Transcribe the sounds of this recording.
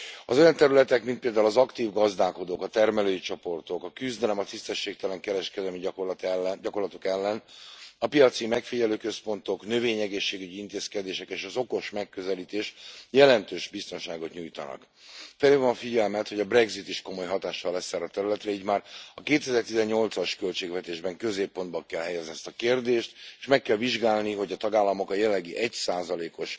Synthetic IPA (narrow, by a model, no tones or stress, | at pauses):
ɒ̰zo̞jɒnt̪ɛɾylɛt̪ɛkmint̪peːld̪aːulɒzɒkt̪iːvɡɒzd̪aːko̞d̪oːkɒt̪ɛrmɛløːjit͡ʃo̞po̞rt̪o̞kɒkyzd̪ɛlɛmɒt̪ist̪ɛʃːeːk̚t̪ɛlɛŋkɛɾɛʃkɛd̪ɛlmi | ɟɒko̞rlɒt̪o̞kɛlːɛnɒpijɒt̪simɛkfiɟɛløːkø̞spo̞nt̪o̞knø̞veːɲɛɡeːʃːeːɡyɟiint̪eːskɛd̪eːʃɛkeːʃɒzoko̞ʃmɛkːø̞zɛliːt̪eːʃjɛlɛnt̪øːʒbist̪o̞nʃaːɡo̞t̪ɲuːjt̪ɒ̰nɒ̰k | fɛleːvɒɱfiɟɛlmɛt̪ho̞ɟɒbrɛɡzit̪iʃko̞mo̞jɦɒt̪aːʃːɒlɛsaːrɒt̪ɛɾylɛt̪rɛiːɟmaːrɒkeːt̪ɛzɛrt̪izɛɲɲo̞lt̪sɒʃkø̞lt͡ʃeːɡvɛt̪eːʒbɛŋkø̞zeːpːo̞nd̪bɒŋkɛlɦɛjɛzniɛst̪ɒkeːrd̪eːʃt̪e̥ʃmɛkːɛlviʒɡaːlniɦo̞ɟɒt̪ɒɡaːlːɒmo̞kɒjɛlːɛɡiʔɛcsaːzɒleːko̞ʃ